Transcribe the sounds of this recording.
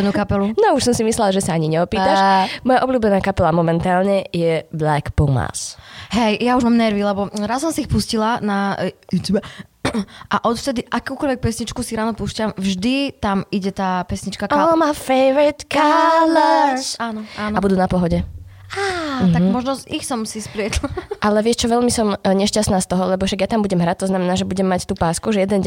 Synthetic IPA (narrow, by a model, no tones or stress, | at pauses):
ɛnuːkapɛlunɔuʃsɔmsimislɛlaʒɛsaaɲiɲɛɔpiːt̪aʃmɔjaʔɔbluːbɛnaːkapɛlamɔmɛnt̪aːlɲɛjɛblakbɔma̰sɦɛjjauʒmaːmnɛɾʋilɛbɔɾasɔmsiixpuscilanajut̪ub | ʔaʔɔt̪ft̪ɛd̪iʔakuːkɔʎʋɛk̚pɛsɲit͡ʃkusiɾaːnɔpuscamvʒd̪it̪amiɟɛt̪aːpɛsɲit͡ʃkakamafɛɪʋɾit̪kʰalɛsaːnɔʔaːnabud̪uːnapɔɦɔɟɛaːt̪aɡmɔʒnɔixsɔmsispɾɪɛt̪laʔalɛʋɪɛʃt͡ʃɔʋɛʎmisɔmɲɛʃcast̪naːst̪ɔɦɔlɛbɔfʃaɡjat̪ambuɟɛmɦɾac̚t̪ɔznamɛnaːʒɛbuɟɛmːact̪uːpaːskuʒɛjɛd̪ɛn